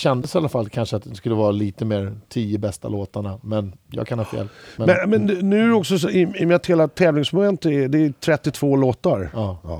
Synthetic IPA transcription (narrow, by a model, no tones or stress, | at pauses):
ɕɛnd̪əsalːafalːkʰanʂəat̪̚d̪ɛskɵlːəvɑːɾaliːt̪əmeːɾt̪ʰiːəbɛst̪a̰loːt̪aɳamɛnjɑ̰ɡkʰanhɑːfḛːlmɛmɛnmɛnnʉ̟ːɔksɔsɔɪɪmɪt̪heːlat̪ʰɛːvlɪŋsmɔmɛnt̪ɛd̪ɛt̪ʰɾɛt̪ːɪt̪ʰvoːloːt̪aɾɑː